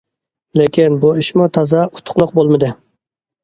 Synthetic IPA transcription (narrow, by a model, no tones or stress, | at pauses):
lekʲinbuiʃmut̪ʰɑzɑʊt̪ʰːʊ̥qlˠʊq̚bolˠmɨd̪ɨ